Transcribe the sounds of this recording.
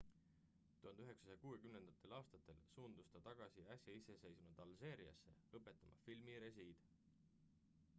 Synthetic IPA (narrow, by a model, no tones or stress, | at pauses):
t̪uhɑnd̪̥yɦe̞ksɑ̥sɑjɑkuːe̞kymne̞nd̪̥ɑt̪ːˑe̞lɑːst̪ɑt̪ːˑe̞lsuːnd̪̥ust̪ɑt̪ɑɡ̥ɑsiæsʲjɑise̞se̞jsmud̪ɑlse̞ːɾiɑ̰sːe̞̰ɤpːˑe̞t̪ːˑɑmʔɑ̰filmiɾesiːd̪̥